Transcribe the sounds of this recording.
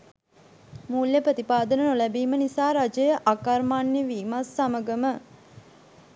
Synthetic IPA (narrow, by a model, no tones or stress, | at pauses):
muːljəprət̪ipaːd̪ənənolæbiːmənisaːɾad͡ʒəjəʔakarmaːnjeʋiːmasːaməɡəmə